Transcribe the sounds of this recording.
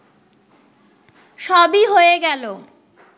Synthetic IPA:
ʃɔbiɦoeɡɛlo

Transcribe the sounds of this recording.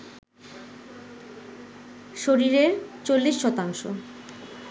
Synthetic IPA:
ʃoɾiɾeɾt͡ɕolːiʃːɔt̪aŋʃo̰

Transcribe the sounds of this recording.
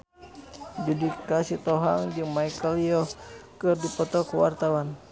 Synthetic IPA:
d͡ʒudikasit̪ɔɦaŋd͡ʒɨŋmajkəlijɔkɨrdipɔt̪ɔkwa̰rt̪awan

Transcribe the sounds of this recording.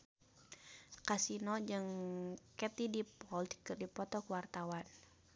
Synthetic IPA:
kasinɔd͡ʒɨŋkɛt̪idipɔldkɨrdipɔt̪ɔkəwart̪awan

